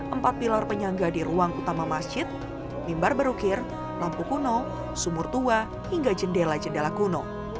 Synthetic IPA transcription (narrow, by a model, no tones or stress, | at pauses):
ʔəmpat̪̚pilɔrpəɲaŋɡadiɾuaŋut̪amamasd͡ʒɪt̪̚ | mimbarbəɾukɪr | lampukunɔ | sumʊrt̪ua | hiŋɡad͡ʒəndelad͡ʒəndelaɡunɔ